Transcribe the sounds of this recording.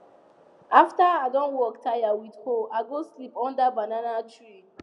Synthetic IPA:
aftəaɪdɔ̃nwɔktʰajawidhoaɪɡoslipɔ̃ndəbananatʰɹi

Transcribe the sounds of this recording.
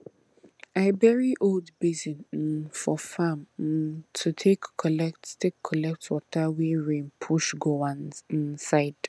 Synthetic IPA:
aɪbɛɹiʔoldbizĩnfɔfãmtʰutʰekːɔlɛk̚ttʰekʰːɔlɛk̚twɔtaweɹẽnpʰuʃɡoãnĩnsaɪd̥

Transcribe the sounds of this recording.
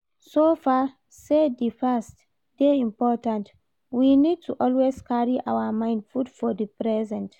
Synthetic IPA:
sofa | sedifɛst | d̥eĩmpɔtãnt | winid̚tʰuʔɔlweskaɹiʔawamãɪ̃ndfudfɔdipɹɛzɛ̃nt

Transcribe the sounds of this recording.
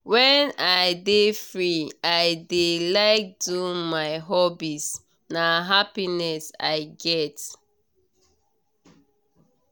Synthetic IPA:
wɛ̃naɪdefɹiaɪdelaɪk̚dumaɪɦɔbis | naɦapinɛsa̰ɪɡɛt

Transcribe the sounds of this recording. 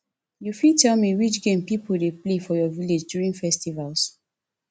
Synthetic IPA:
jufitʰɛlmiwit͡ʃɡẽmpipʰudeplefɔjɔviled͡ʒdjuɹĩŋfɛstivals

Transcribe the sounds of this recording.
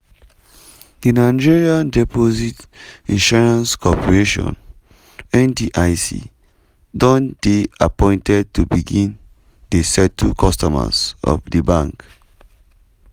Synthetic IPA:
d̥inaɪd͡ʒiɹiãndɛpozitĩnʃɔɹãnskʰɔpɔɹeʃɔ̰̃n | ɛ̃ndiʔaɪsḭ | dɔ̃ndeapɔ̃ɪ̃ntʰɛd̚tubiɡĩn | desɛtʰukʰɔstɔma̰sɔ̰fdəbãŋk

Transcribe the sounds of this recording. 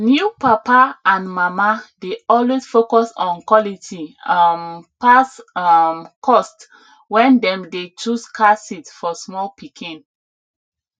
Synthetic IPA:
njupapaãnmamadeɔlwesfokɔsɔ̃nkwɔlitʰimpasmkʰɔst | wɛ̃ndɛ̃mdet͡ʃuskʰasitfɔsmɔlpikʰĩn

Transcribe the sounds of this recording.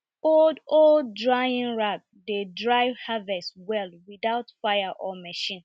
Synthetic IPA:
oldolddɹajĩnɹak̚dedɹaɪvhavɛstwɛlwiðaʊtfajaʔɔmɛʃĩn

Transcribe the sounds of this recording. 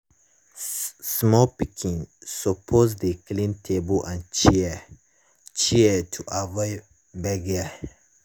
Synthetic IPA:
smɔpikʰĩnsəpʰosdəklĩntʰebəlʔãnt͡ʃi | t͡ʃiətʰuʔavɔɪ | bɛɡə

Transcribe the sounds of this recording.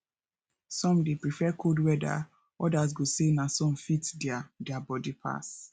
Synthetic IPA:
sɔ̃mdepɹifɛkʰodwɛda̰ | ɔdaz̬ɡosenasɔ̃mfitdadɛabɔdipʰa̰s

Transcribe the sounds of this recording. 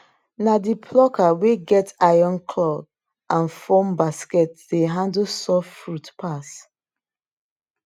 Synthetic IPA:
nadipʰlɔkaweɡɛtajɔ̃nkʰlɔb | ʔãnfɔmbaskɛtdeɦãndsɔffɹutpʰas

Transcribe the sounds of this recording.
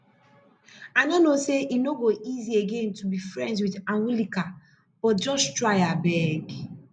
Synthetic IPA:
anonoseʔinoɡoʔizieɡentubifɾɛ̃ndzwiðaŋulika | b̥ɔtd͡ʒɔʃtɹajabɛɡ

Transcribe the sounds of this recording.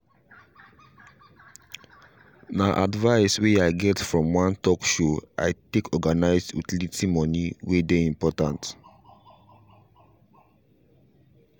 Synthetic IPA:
naʔadvaɪsweaɪɡɛtfɹɔ̃mwãntɔkʃoa̰ɪtekʰɔɡanaɪzdṵtilitʰimɔ̃niwedeĩmpɔtãnt

